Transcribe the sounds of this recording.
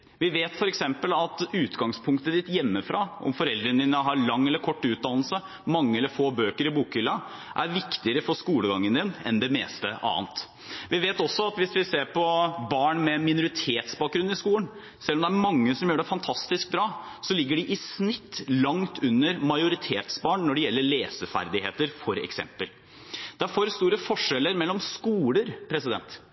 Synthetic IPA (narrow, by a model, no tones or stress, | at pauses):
ʋɪʋeːt̪fɔɾɛksɛmpəlɑt̪ʉːt̪ɡɑŋspʰʊŋkt̪əd̪ɪt̪jɛmːəfɾɑːʔɔ̰mfɔɾɛld̪ɾənd̪ɪnəɦɑɾlɑŋːɛlːəɾkʰɔʈːʉːt̪̚d̪ɑnlsə | mɑŋːəɛlːəɾfoːbøːkəɾɪbuːkɪlːɑ | ʔæɾʋɪkt̪ɪəɾəfɔskuːləɡɑŋːənd̪ɪnɛ̰nd̪ɛmḛːst̪əʔɑ̰ːənt̪ | ʋɪʋeːt̪ɔsːɔɑt̪ʋɪsʋɪseːɾpʰɔbɑːɳmɛmɪnʊɾɪt̪ʰeːt̪sbɑːk̚ɡɾʉn̩ːɪskuːlən | sɛlːɔmd̪ɛæɾmɑŋːəsɔmjøːɖɛfɑnt̪ʰɑst̪ɪsk̚bɾɑː | sɔlɪɡːəɖɪʔɪsnɪt̪ːlɑŋt̪ʰʉnːəɾmɑɪʊɾɪt̪ʰeːt̪sbɑːɳnɔɖɛjɛlːəɭeːsəfæ̰ɾd̪ɪheːt̪əɾfɔɾɛ̰ksɛ̰mpəl | d̪̥ɛæɾfɔɾst̪uːɾəfɔʂɛlːəɾmɛlːɔmskuːləɾpʰɾɛsɪd̪ɛ̰nt̪